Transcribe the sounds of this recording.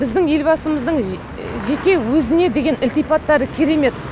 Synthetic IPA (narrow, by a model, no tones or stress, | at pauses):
bɪzd̪ɪŋje̞lbɑsəməzd̪əɴ | ʒe̞kʲe̞wɵzɪne̞d̪e̞ɡʲe̞nɪlt̪ijpɑt̪ːɑɾəkʲʰeɾe̞me̞t̪